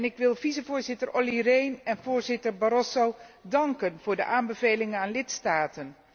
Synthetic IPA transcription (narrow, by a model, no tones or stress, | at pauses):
nɪkʋɪlˠvizəvʊːɹzɪtəɹʔolirejnɛnvʊːɹzɪtəɹbɑɾɔsowdɑŋkənv̥ʊːɹdəʔaːmbəvejlɪŋənaːnlɪtstaːtən